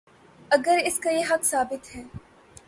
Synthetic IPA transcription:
ɐɡəɾɪskajeɦɐksaːbɪt̪ɦɛː

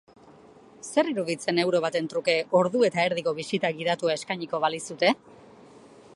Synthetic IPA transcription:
se̞riɾuðit͡se̞ne̞wɾo̞βat̪e̞nt̪ɾuke̞o̞ɾðue̞t̪aeɾðiko̞βisit̪aɡið̞at̪uae̞skajɲiko̞βalisut̪e̞

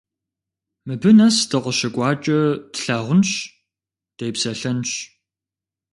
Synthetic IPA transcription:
mɨbɨnɐsdɨqʷəʃɐkʷʼɑːt͡ʃʼɐdɬaːʁʷʊnɕ | d̥ejpsɐɬɐnɕ

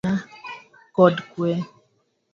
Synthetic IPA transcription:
a | kɔdkwɛ

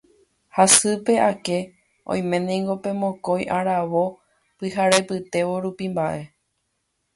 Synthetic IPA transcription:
hasɨpe̞ʔake̞ | ʔõ̰j̃mẽ̞nĩŋɡo̞pẽ̞mõko̞jʔaɾaʋo̞ | pɨɦaɾe̞pɨt̪e̞ʋo̞ɾupimbaʔe̞

